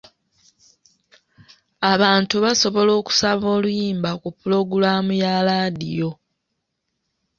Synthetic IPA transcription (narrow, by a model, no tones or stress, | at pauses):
aβaːntuβaso̞βo̞lo̞ːku̥saβo̞ːlujiːmbakupːulo̞ɡulaːmujalaːdḭjo̞